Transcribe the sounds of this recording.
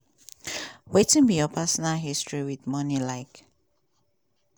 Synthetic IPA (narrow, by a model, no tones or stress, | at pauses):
wetĩnbijɔpʰasɔnalɦistɹiwidmɔnilaɪk